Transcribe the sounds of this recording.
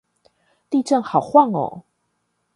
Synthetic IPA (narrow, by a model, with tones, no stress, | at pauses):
t̪i˥˧ʈ͡ʂə˥˨ŋxɑ˨˩ʊxwa˥˨ŋo̰˨˦